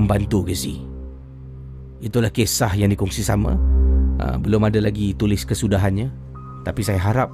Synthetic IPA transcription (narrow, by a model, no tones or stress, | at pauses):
mbant̪uɡisih | it̪ulahkesahjaŋdikɔŋsisamã̰ə̰bəlʊmadalaɡit̪ulɪskəsudaɦanɲa | t̪apisajaɦaɾap̚